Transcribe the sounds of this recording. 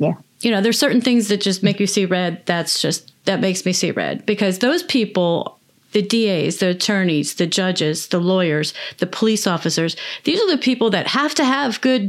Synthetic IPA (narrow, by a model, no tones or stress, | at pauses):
jæ | jɨñoʊðə̥˞sɜ˞ʔn̩θɪ̃ŋzðɨt̚d̥ʒ̥ʌs̚meɪkjɨsiɹɛd̪̚ðætsd̥ʒ̥ʌst̪ðɨt̚meɪksmisḭɹɛ̰d̚b̥ɨkʰʌzðoʊz̥pʰipl̩ˠ | ðɨdieɪzðiɨtʰɜ̃˞niz̥ðɨd͡ʒʌd͡ʒɪzðəlɔɪə˞zðɨpʰəlisɔfɨsə˞z̥ðizə˞ðɨpʰipl̩ˠðɨt̚hæftɨːvɡʊd̚